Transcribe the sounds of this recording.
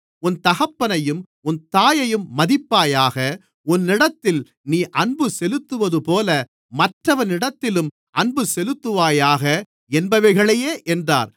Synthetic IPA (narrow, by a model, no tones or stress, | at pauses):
ʊnt̪ɐɣɐpːɐnɐjɯm | ʊnt̪aːjɐjɯmːɐðɪpːaːjaːɣɐ | ʊnːɪɽɐt̪ːɪl | niːʔɐɳbɯsɛlɯt̪ːɯʋɐðɯpoːlɐ | mɐʈrɐʋɐnɪɽɐt̪ːɪlɯm | ʔɐɳbɯsɛlɯt̪ːɯʋaːjaːɣɐ | ɛnbɐʋɐɪɣɐɭɐjeːʔɛndra̰ːɾ